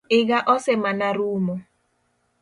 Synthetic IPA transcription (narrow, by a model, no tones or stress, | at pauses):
ɪɡaʔɔsɛmanaɾuːmɔ